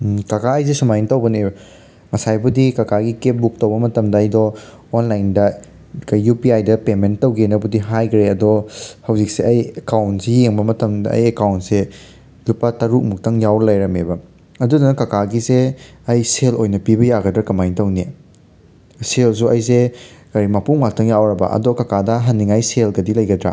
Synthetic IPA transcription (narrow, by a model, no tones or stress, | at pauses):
kɐkaɐjz̬esumajntɐwbɐni | ŋɐsajbɐdikakaɡikep̚buk̚tɐwbɐmɐtɐmdɐːjdɔː | nlajndɐ | kɐjːupiajdɐpementːɐwɡenɐbɐdiɦajkʰɾeɐdɔhɐwzik̚seɐjekawntsejeŋbɐmɐtɐmdɐɐ̰jekawntse | lupɐtɐɾuk̚muk̚tʰɐŋjawɾɐlɐjɾɐmebɐ | ɐdudunɐkakʰaɡizeɐjselojnɐpibɐjaɡɐdɾɐkɐmajŋtɐwni | sels̬uʔɐjsekɐɾimapuŋmak̚tʰɐŋjawɾɐbɐ̰ʔɐ̰dɔkɐkadɐɦɐnːiŋajselɡɐdilɐjɡɐdɾa̰